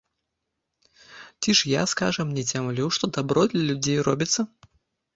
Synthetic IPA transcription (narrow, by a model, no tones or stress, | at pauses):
t͡sʲiʂja̰ska̰ʐɐmnʲɛd͡zʲamlʲiwʂt̪ɔd̪abɾɔd̪lʲɐlʲud͡zʲejrɔbʲit̪sːɐ